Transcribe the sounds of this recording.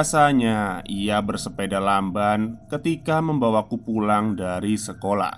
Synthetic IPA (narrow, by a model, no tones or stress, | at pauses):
saɲaiabərsəpedalambankət̪ikaməmbawakupulaŋdaɾisəkola̰